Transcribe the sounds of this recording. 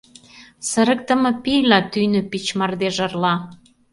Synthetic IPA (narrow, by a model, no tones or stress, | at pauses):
səɾə̆k̚t̪ə̆mɤ̆pijlɑt̪ynøpit͡ɕmɑrd̪eʒə̆rlɑ